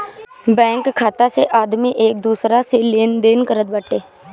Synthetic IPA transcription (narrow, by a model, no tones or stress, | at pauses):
bɛ̃ːŋkʰːaːt̪aseʔaːd̪miʔeːk̚d̪uːsɾaseleːnd̪eːnkəɾət̪̚bəʈeː